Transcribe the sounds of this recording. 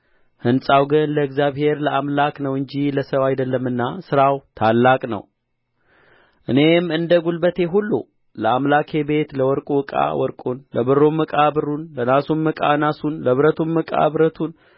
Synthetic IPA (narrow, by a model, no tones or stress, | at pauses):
hɨnsʼawɡɨnləɨɡzjaβhe̞ɾləamlaknəwɨɲd͡ʒiləsəβajd̪əlːəmːɨnːasɨɾawt̪ʰalːakʼnə̰w | ʔɨne̞mɨnd̪əɡulbət̪ʰe̞ɦulːṵ | ləamlakʰe̞be̞t̪ləwɔɾkʼuwɨkʼa̰wɔɾkʼunləbɨrːumːɨkʼabɨrːunlənasumːɨkʼa̰nasunləβɾət̪ʰumːɨkʼa̰βɾət̪ʰun